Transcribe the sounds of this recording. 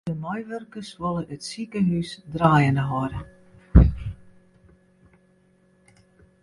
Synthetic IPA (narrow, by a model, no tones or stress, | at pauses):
əmɔjʋørkəsʋɔlˠəʔətsikəɦysdraːjənəɦɔɾə